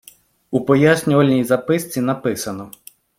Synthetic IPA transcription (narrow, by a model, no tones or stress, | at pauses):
upɔjasʲnʲɔʋɐlʲnʲijzɐpɪst͡sʲinɐpɪsɐnɔ